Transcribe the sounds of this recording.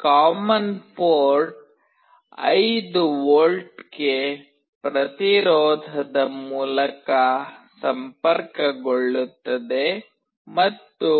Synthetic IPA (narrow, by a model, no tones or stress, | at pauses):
kaːmɐnpoːɾʈɖ | ɐ̰jd̪uʋoːlʈɡe | pɾɐt̪iɾɔːd̪ʱɐd̪ɐmuːlɐkɐsɐmpɐɾkɐɡoɭːut̪ːɐd̪e̞ | mɐt̪ːu